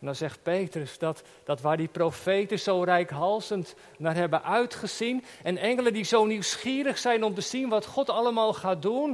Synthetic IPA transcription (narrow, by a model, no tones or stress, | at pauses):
ɛndɑnzɛχt̚pejtrəsdɑt | d̥ɑtʋaːɹdiprowfejtəzowrɛjkɦɑlˠzənt | naːɹɦɛbənʔœɥtχəz̥in | ɛnɛŋələndizowniwsχiːɾəχsɛjnɔmtəz̥inʋɑtχɔtɑləmaːlˠχaːdun